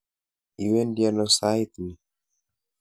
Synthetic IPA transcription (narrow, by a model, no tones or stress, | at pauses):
iwɛndianɔsait̪ini